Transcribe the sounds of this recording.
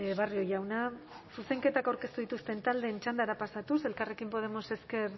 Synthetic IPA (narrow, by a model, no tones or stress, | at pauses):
βario̞jawnasuse̞ŋke̞t̪akawɾke̞st̪uðit̪ust̪e̞nt̪ald̪e̞ːnt͡ʃand̪aɾapasat̪use̞lkare̞kimpo̞ð̞e̞mo̞se̞ske̞ɾ